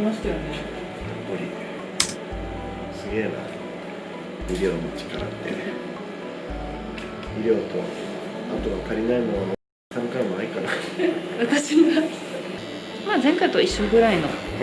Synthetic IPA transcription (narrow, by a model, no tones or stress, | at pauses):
maɕi̥t̪ajone | jopːoɾʲḭ | sɨɡe̞ːna̰ | bʲiɾʲjo̞ːnot͡ɕi̥kaɾa̰t̪ːḛ | iɾʲo̞ːt̪o̞̰ | at̪oɡat̪ʰaɾʲinaimonon | sãŋkamonaikanaβat̪aɕiɡa | maːzẽ̞ŋkait̪o̞iɕːo̞ːɡɯ̟ɾaino̞̰